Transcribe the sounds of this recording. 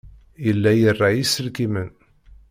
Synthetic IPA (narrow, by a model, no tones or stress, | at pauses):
jəlːæjərˤːajisəlkimən